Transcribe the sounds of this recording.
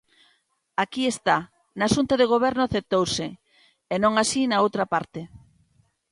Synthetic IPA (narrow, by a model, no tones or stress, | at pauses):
akiest̪a | naʃunt̪aðeɣ̞oβ̞ɛɾnoaθep̚t̪owseː | nõŋasinaowt̪ɾapaɾt̪e